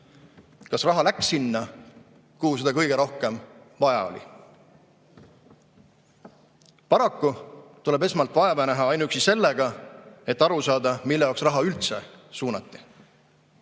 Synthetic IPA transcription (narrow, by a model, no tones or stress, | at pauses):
kɑsrɑɦɑlæksːinːɑ | kuhuse̞d̪̥ɑkɤ̞jɡe̞ɾo̞hke̞m | vɑjɑ̰o̞̰lʲḭ | pɑɾɑkːut̪ule̞be̞smɑlt̪ːˑvɑevɑnæɦɑɑjnuyksise̞lːeɡɑe̞t̪ːɑɾusɑːd̪ɑmilːe̞jɑːˑwksrɑɦɑylt̪sesuːnɑt̪ˑːi̥